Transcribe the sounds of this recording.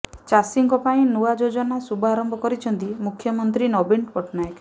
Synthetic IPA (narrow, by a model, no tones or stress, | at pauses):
t͡ʃasiŋkɔpaĩnuad͡ʒod͡ʒɔnasubʱɔaɾɔmbʱɔkɔɾit͡ʃʰɔnt̪imukʰːjɔmɔnt̪̬ɾinɔbiɳpɔʈʰnajek